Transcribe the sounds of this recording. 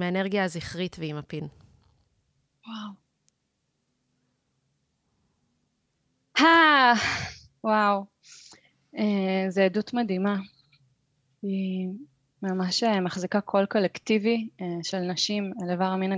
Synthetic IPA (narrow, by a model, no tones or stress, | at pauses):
meeneʁɡjaːziχʁit̪veimapin | waw | ha | waw | ezeːdutmadima | i | mamaʃemaχzikakʰo̞lko̞lektiviʃelnɐʃimelevaʁmina